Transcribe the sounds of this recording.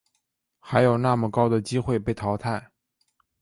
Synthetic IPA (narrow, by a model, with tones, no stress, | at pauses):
xa˧˥ɪjo˨˩ʊna˥˩mə˨kɑ˥ʊd̪ə˨t͡ɕi˥xwe˥˧ɪpe˥˩ɪt̪ʰɑ˧˥ʊt̪ʰa˥˩ɪ